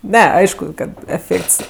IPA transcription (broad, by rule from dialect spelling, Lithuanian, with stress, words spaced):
ˈnʲɛ ˈɐɪʃkʊ ˈkɐt ɛˈfʲeːkts